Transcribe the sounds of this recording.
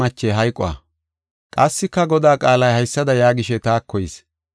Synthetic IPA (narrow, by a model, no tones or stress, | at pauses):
ɐt͡ʃːeɦɐjkʼɔ̰wa̰ | kʼɐsːɪkːɐɡɔd̪aːkʼaːlɐjhɐjsːɐd̪ɐjaːɡɪʃɛt̪aːkʰːɔjɪːs